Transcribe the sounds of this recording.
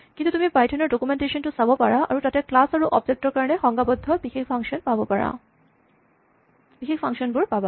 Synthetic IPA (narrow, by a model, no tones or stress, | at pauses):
kint̪ut̪umipajʈʰɔneɾɖokumeɳʈeʃɔnʈusabopaɹaʔa̰ɾutat̪eklasaɾuʔɔb̚d͡ʑek̚ʈɔɾkaɾɔnexɔŋɡabɔd̪ʱːɔbikʰikfʰaŋʃɔnpabopaɽa̰ | pikʰikfʰaŋʃɔnbuɾpaba